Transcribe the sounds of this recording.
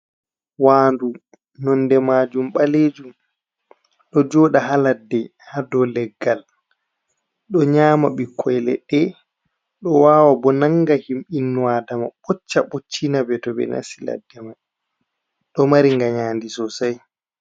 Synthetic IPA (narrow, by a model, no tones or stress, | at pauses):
waːndu | nɔndɛmad͡ʒumɓaleːd͡ʒum | ɗɔd͡ʒɔːɗaɦaladːɛ | hadɔlɛɡːal | ɗɔɲaːmaɓikʰːɔjlɛ̰ɗɛ | ɗɔwaːwabɔnaŋɡahimɓinːuwadama̰ɓɔt͡ʃːaɓot͡ʃːinabɛtɔbɛ̰na̰sila̰dːɛmaj | ɗɔmaɾiŋɡaɲaːndisɔsaj